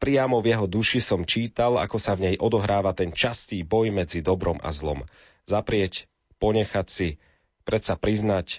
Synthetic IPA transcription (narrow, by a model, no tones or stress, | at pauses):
pɾijamɔvjɛɦɔd̪uʃisɔmt͡ʃiːt̪ala̰kɔsavɲɛjʔɔd̪ɔɦɾaːʋat̪ɛnt͡ʃast̪iːbɔjmɛd͡zid̪ɔbɾɔmʔa̰zlɔ̰m | zapɾɪɛc | pɔɲɛxacsi | pɾɛt̪sapɾiznac